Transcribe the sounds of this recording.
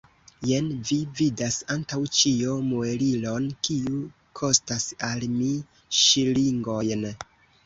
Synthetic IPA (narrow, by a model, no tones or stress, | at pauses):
jenvividasantawt͡ʃiomoelilo̞nkiu | kʰo̞stasalmi | ʃiliŋɡo̞jn